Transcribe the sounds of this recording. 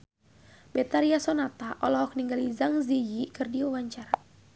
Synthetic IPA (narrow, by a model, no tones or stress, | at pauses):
bɛt̪aɾiasɔnat̪aʔɔlɔɦɔk̚niŋɡalizaŋzid͡ʒikɨrdiuwaɲt͡ʃaɾa